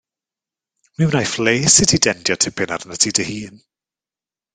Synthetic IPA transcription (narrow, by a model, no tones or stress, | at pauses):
miwnajfleːsɪtʰidɛndjɔtʰɪpʰɪnaɾənətʰidəhiːn